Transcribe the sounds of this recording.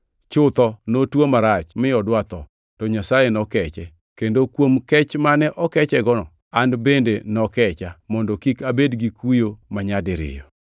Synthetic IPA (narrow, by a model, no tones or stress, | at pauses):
t͡ʃʊt̪ɔnotwomaɾat͡ʃmɪɔdwat̪ɔ | tɔɲasajenɔkɛt͡ʃɛ | kendokwomkɛt͡ʃmanɛʔɔkɛt͡ʃɛɡɔnɔ̰ | anbendenɔkɛt͡ʃamɔndɔkikabedɡikujomaɲadɪɾɪ̰jɔ